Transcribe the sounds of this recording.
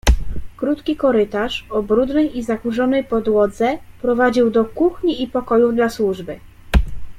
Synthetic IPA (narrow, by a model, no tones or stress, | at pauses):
kɾut̪kʲikɔɾɘt̪aʂɔbɾud̪nɛjizakuʐɔnɛjpɔd̪wɔd̪zɛpɾɔvad͡ʑiwd̪ɔkuxɲiːpɔkɔjuvd̪laswuʐbɘ